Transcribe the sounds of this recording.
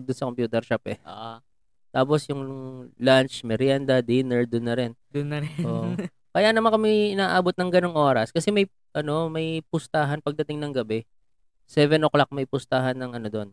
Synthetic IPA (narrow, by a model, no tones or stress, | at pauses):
d̪ʊnsɐkompjuːt̪ɛɾʃapɛʔa | t̪aːp̬osjʊŋlant͡ʃmɛɾjand̪ɐd̪inɛɹd̪ʊnːɐɾɛnd̪ʊnɐɾʔoːʔ | kɐjanɐmankɐmɪʔɪnaːʔaːbot̪̚nɐŋɡɐnoŋʔo̞ːɾɐskɐsɛmɐj | ʔɐno̞mɐjpʊst̪aːɦɐnpɐɡ̚d̪ɐt̪ɪŋnɐŋɡɐbɛ | sɛvɛnʔoklak̚mɐjpʊst̪aɦɐnːɐŋʔɐno̞d̪o̞n